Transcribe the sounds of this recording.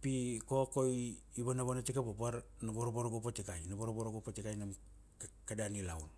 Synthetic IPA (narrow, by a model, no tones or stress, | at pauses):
pikokoj | ibanaβanatikapopaɾ | naboɾoboɾoɡopatikajnaboɾoboɾoɡopatikajnam | kkadanilawn